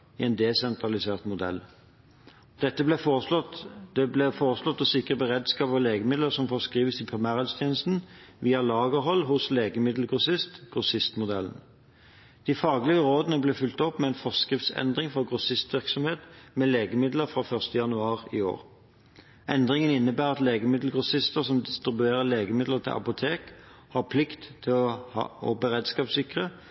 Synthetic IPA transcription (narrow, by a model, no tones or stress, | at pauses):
iɛnd̪ɛsɛnt̪ʁɑlɪseːʁt̪mʊd̪ɛ̰l | d̪̥ɛt̪ːəblɛɔt̪d̪̥ɛblɛfɔːʁəslɔt̪ːɔsɪkəbəʁed̪skɑːpɑleːɡəmɪd̪ləsɔmfɔʁskʁiːʋəsɪpʰʁɪmæːʁɛːlst̪ʰjeːnəst̪n̩ʋiːɑlɑːɡəɦɔlːɦʊsleːɡəmɪd̪l̩ɡʁʊsɪst̪ɡ̥ʁʊsɪst̪mʊd̪ɛln̩ | d̪̥ifɑːɡlɪɡəʁoːd̪ənəbleːfʏlt̪ɔpːmɛɛnfɔʁskʁɪft̪sɛ̰nd̪ʁɪŋfɔɡʁʊsɪst̪ʋɪʁksɔmheːt̪mɛleːɡəmɪd̪ləfʁɑfœʁst̪əjɑnʉɑːʁḭːo̰ːʁ | ʔɛnd̪ʁɪŋənɪnːəbæːʁɑt̪leːɡəmɪd̪l̩ɡʁʊsɪst̪əʁsɔmd̪ɪst̪ʁɪbʉeːʁəleːɡəmɪd̪ləʁt̪ʰɪ̰ʔɑ̰pʊt̪ʰeːk | hɑʁpʰlɪkt̪ʰːɪlhɑ̰ɔbəʁeːd̪skɑːpsɪkʁə